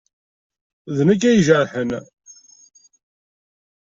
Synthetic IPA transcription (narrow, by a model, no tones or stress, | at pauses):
ðnæk̬ːæjʒəɾħən